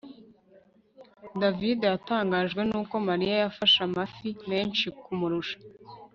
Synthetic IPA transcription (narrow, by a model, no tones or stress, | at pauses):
davidejataːŋɡaːʒɡwe̞nuːko̞maɾijajafaʃamafime̞ːnʃikumuɾuʃḁ